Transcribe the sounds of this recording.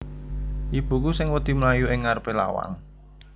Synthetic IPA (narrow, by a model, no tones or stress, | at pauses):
ʔib̥ṳk̬usɪŋwəd̪̥i̤məlajuʔɪŋːarpela̰wa̰ŋ